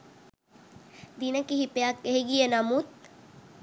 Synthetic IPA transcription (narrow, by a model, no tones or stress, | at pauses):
d̪inəkiɦipeakːeɦiɡijenamut̪̚